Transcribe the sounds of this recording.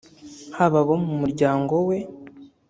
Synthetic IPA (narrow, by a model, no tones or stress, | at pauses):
haβaβomumuɾɟaːŋɡo̞we̞